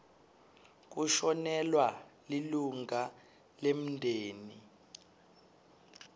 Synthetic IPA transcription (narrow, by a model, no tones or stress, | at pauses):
k̬uʃɔnɛlwaliluŋa | lem̩ndʱeːni